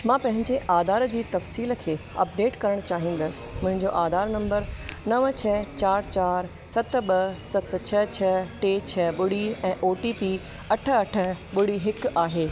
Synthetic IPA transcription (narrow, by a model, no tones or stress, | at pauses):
mãːpɐ̃ɦɪ̃ɲd͡ʑeʔaːd̪ʱaːɾd͡ʑiːt̪ɐfsiːlə̆kʰeːɐ̰pɖeːʈkɐɾəɽ̃t͡ɕaːɦĩːn̆d̪əsɪ̥̆mʊ̃ɦɪ̃ɲd͡ʑoʔaːd̪aːɾnɐ̃mbəɾnɐʋt͡ɕʰɐt͡ɕaːɾt͡ɕaːɾ | sɐt̪̆ɓɐsɐt̪̆t͡ɕʰɐt͡ɕʰɐʈeːt͡ɕʰɐɓʊɽiɛ̃ːʔoːʈipi | ɐʈʰə̆ɐʈʰə̆ɓʊɽiɦɪkaːɦeː